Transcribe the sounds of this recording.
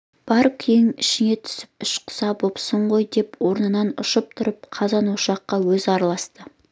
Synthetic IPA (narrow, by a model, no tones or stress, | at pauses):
b̥ɑɾkʲʰejɪŋɪʃɪne̞t̪ʰʏ̥sɪ̥p̚ʏʃqʰə̥sɑbopsəɴʁo̞jd̪e̞pwo̞ɾnənɑnʊʃəp̚t̪ʰʊɾəp̚qʰɑzɑnwoʃɑqːɑwɵzɑɾɑlˠɑst̪ə